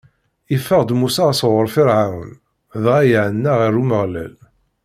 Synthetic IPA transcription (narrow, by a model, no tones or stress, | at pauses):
ifːəʁd̪musaʁasʁəɾˤfiɾʕawə̰n | ðʁæjəʕənːaʁiruməʁlæ̰l